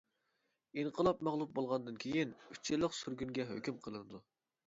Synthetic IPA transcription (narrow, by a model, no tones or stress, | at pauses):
inqʰəlˠɑpmɑʁlˠup̚bolˠʁɑnd̪ɨnkʲʰejinyt͡ʃʰːilːəqsyɾɡʲynɡʲɛɦø̰kʲymqʰəlˠɨnɨd̪u